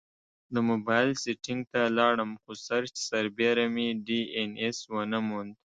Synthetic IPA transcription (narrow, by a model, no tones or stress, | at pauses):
d̪əmʊbɑjlseʈɪŋɡ̚t̪alɑɽəmxusaɾt͡ʃsaɾbeɾamiɖieneswənəmund̪